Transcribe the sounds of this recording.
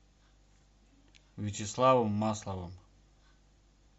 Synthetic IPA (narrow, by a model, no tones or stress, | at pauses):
vʲit͡ʃʰɪslˠavəmːaslˠavɨm